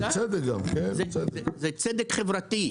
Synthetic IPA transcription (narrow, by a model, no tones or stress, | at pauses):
t͡sɛd̪ekɡa̰mkenzeed̪zet͡sed̪ekχevɾat̪i